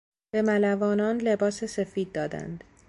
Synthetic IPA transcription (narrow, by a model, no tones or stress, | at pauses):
b̥e̞mælævɒːnɒːnle̞bɒːsese̞fiːd̪̚ːɒːd̪æ̰nd̪